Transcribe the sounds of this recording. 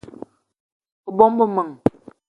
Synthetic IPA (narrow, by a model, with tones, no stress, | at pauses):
ə˨bɔ˦mbə˨mə˨ŋ